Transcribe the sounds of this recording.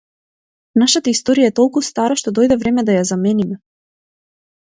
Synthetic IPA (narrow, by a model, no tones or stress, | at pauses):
naʃat̪aist̪ɔɾijaɛt̪ɔlˠkust̪aɾaʃt̪ɔd̪ɔjd̪ɛvɾɛmɛd̪ajazamɛnimɛ